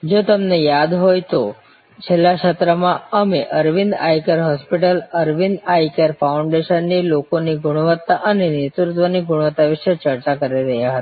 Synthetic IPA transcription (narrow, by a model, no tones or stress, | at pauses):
d͡ʒot̪əmnejad̪ɦojt̪o | t͡ʃʰelːaʃət̪ɾəmãəmeʔəɾʋind̪ajkəɾɦɔspiʈələɾʋind̪ajkəɾfaʊɳɖeʃənːilokoniɡʊɽ̃ʋət̪ːaʔənenɪt̪ɾʊt̪ʋəniɡʊɽ̃ʋət̪ːaʋɪʃet͡ʃəɾt͡ʃakəɾiɾəɦjaɦət̪ḁ